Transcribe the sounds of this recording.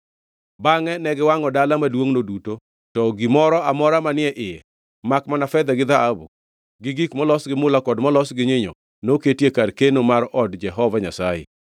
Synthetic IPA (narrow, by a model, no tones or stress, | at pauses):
baŋɛnɛɡɪwaŋɔdalamadwoŋnoduto | tɔɡimɔɾɔamɔɾamanɪɛʔɪjɛ | makmanafɛd̪ɛɡɪd̪aabṵ | ɡɪɡikmɔlɔsɡɪmʊlakɔdmɔlɔsɡɪɲeɲo̰ | noketjekarkenomaɾʔɔdd͡ʒɛɦɔvaɲasajɛ̰